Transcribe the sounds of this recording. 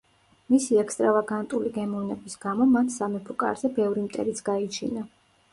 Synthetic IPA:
misiɛkst̪ʼɾavaɡant̪ʼuliɡɛmɔvnɛbisɡamɔmat̪ʰsamɛpʰɾɔkʼa̰ɾzɛbɛvɾimt̪ʼɛ̰ɾit̪sʰɡ̥ait͡ʃʰḭna

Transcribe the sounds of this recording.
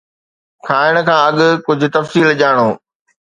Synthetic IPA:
kʰaːɪɽ̃ə̆kʰãːɐɠkʊd͡ʑʱʊ̆t̪ɐfsiːlʄaːɽ̃oː

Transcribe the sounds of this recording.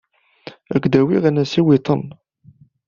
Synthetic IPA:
ækʷːd̪æwiʁænæsiwit̪ˤən

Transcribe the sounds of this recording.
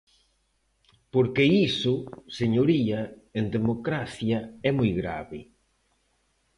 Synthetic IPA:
poɾkeisʊseɲoɾiɐend̪emokɾaθjɐɛmojɣɾa̰βɪ̰

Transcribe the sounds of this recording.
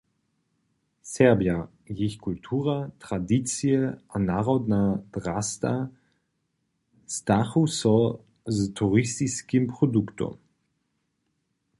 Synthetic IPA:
sɛʁbja | jɪçkʰultʰuːʁatʁ̥adit͡sjəʔanaːʁɔdnad̥ʁast̪a | staχusɔ | ztʰuʁistiskimpʁ̥oduktɔ̰m

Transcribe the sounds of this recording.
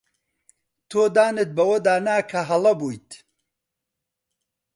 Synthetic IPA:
t̪ʰoːd̪aːnɨt̪̚bɐwɐd̪aːnaːkʰɐɦɐlɐbuːjt̪

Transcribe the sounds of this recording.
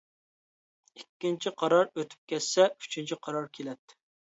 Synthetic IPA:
ikʲːint͡ʃʰiqʰɑɾɑɾøt̪ʰy̥p̚kʲɛssɛy̥t͡ʃʰint͡ʃʰiqʰɑɾɑɾkʲʰelɛt̪ːɪ̥

